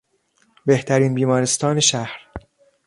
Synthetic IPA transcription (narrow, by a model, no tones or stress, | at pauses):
be̞ht̪ʰæɾiːnbiːmɒːɾe̞st̪ɒːne̞ʃæhɾ